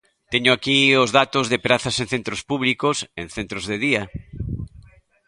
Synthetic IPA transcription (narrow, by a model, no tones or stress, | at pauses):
t̪eɲʊakiozðat̪ʊzðepɾaθasẽn̟θent̪ɾospuβlikosẽŋ̟θent̪ɾozðeðia